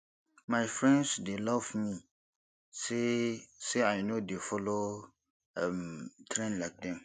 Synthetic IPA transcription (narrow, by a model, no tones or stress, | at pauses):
mãɪfɹɛ̃ndsdelɔvmĩ | sesɛaɪnodefɔlo | ɛmtʰɾɛ̃nlak̚dɛ̃m